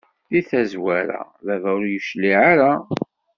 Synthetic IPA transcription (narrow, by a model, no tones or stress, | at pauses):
θiθæzwæɾæ̰ | ðævæʊɾjəʃliʕaɾa